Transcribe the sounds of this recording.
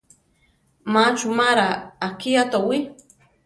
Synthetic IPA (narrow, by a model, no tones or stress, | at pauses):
mat͡ʃumaɾaːkiat̪awi